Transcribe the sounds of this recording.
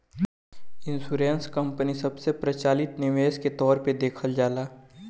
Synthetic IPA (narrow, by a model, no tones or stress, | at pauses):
ɪ̃nsuːɾẽːnskə̃mpənisɐbsepɾɐt͡ʃaːlɪt̪nɪʋeːsket̪ɔːɾped̪eːkʰəld͡ʒaːlaː